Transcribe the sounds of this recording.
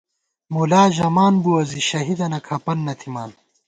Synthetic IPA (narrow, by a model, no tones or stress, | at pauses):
mulaːʑɐmaːnbuɐziɕɐɦid̪ɐnɐkʰɐpɐnːɐt̪ʰimaːn